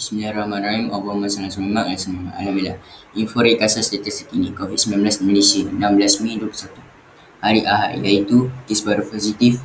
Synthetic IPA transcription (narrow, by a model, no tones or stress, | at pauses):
smilaɾamãnɾaimɔbɔmãsanasəmamãʔlasəmãmã̰ʔa̰lamilahinfɔɾikasast̪at̪ist̪ikinĩkovit̪̚səminãmblasməlesiənãmblasmĩduəkəsat̪u | haɾiʔaɦa̰ʔjait̪ukisbaɾupɔzit̪if